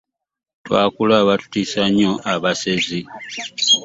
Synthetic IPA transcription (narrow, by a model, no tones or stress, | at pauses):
twa̰ːkulaβatu̥tisaɲoʔaβasezi